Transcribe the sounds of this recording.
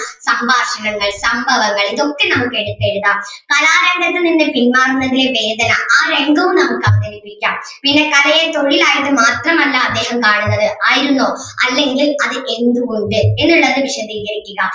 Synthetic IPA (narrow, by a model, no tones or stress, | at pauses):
sɐmbʱaːʂɐɳɐŋːɐɭsɐmbʱɐʋɐŋːɐɭiðo̞kːe̞nɐmukːeɽupːeɻuðaːkɐlaːɾeɳɡɐt̪ːɐninːepinmaːrunːɐðileʋeːd̪ɐnɐaːɾeŋɡɐʋumnɐmukːɐʋɐniʋipiikʲːaːm | pinːekɐlɐjet̪o̞ɻilaːjiɐt̪ːɨmaːt̪rɐmɐlːaɐd̪ːe̞ːhɐmkaːɳunːɐðɨʔaːjiɾunːoːɐlːe̞ŋɡilɐðɨʔe̞nd̪uɣoɳɖɨe̞nːuɭːɐðɨʋiʂɐd̪ʱiːɣɐɾikʲːuɣɐ